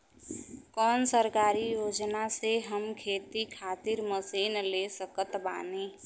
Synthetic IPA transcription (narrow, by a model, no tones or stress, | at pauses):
kɔnsəɾkaɾijod͡ʒnaseɦəmkʰet̪ikʰat̪iɾməsinlesəkət̪ba̰ne